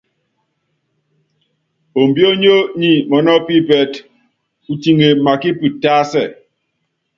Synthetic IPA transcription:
o˨m̩˨bjo˦ɲo˦ɲi˨mɔ˨nɔ˦pi˦pɛ˨t | u˨ti˨ŋe˨ma˨ki˦pi˨taː˦sɛ˦˨

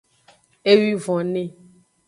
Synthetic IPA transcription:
e˦wi˦vɔ̃˨nẽ˦

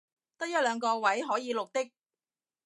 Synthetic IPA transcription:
t̪ɐ˥t̚jœ˥t̚lœː˨˧ŋkɔː˧wɐ˨˥jɦɔː˨˥jiː˨˧lk̚t̪ɪ˥k̚

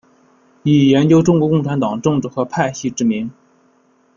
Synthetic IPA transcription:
i˨˩jɛ˧˥nt͡ɕjo˥ʊʈ͡ʂʊ˥ŋkwɔ˧˥kʊ˥˩ŋʈ͡ʂʰa˧˥nt̪ɑ˨˩ŋʈ͡ʂɤ˥˧ŋʈ͡ʂɻ̩˥˩xɤ˧˥pʰa˥˧ɪɕi˥˧ʈ͡ʂɻ̩˥˩mi˧˥ŋ

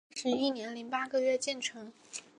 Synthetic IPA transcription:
ʂɻ̩˧˥i˥˩njɛ˧˥nli˧˥ŋpa˥ɡɤ˥˧ɥɛ˥˧t͡ɕjɛ˥˩nʈ͡ʂʰɤ˧˥ŋ

